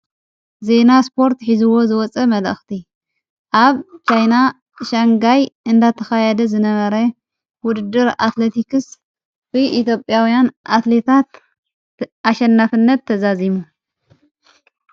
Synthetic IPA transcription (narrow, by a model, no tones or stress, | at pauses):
ze̞naspʰo̞ɾt̪ħizɨwo̞zɨwɔt͡sʼɐmɐlɐ̰xt̪ʰi | ʔaβt͡ʃajna | ʃaŋɡajʔɨnd̪at̪ʰɐxajɛd̪ɐzɨnɐβɐɾɐ | wʊd̪ɨd̪ɨɾa̰t̪let̪ikɨs | bɨʔit̪jo̞pʼjawjanʔat̪le̞t̪ʰat̪ | ʔaʃɐnːafɨnːɐt̪ʰːɐzazimu